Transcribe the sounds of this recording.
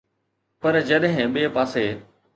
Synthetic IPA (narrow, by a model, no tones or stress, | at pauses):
pɐɾd͡ʑɐɗɦɪ̃ɓeːpaːseː